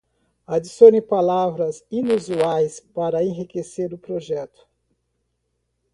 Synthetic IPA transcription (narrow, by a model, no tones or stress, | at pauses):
ad͡ʒisõnĩpalavɾɐzinuzuajspaɾɐẽɦikeseɾʊpɾoʒɛt̪ʊ̥